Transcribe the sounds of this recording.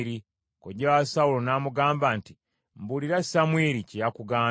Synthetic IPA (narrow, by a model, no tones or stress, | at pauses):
ɾi | koɟewasaulo̞naːmuɡaːmbanti | mbuliɾasamweɾicijakuɡaː